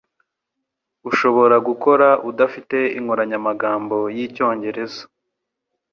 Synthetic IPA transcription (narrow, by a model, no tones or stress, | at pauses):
uʃo̞βo̞ɾaɡuko̞ɾaʔudafite̞iŋoɾaɲamaɡaːmbo̞jico̞ːɲɟe̞ɾe̞zḁ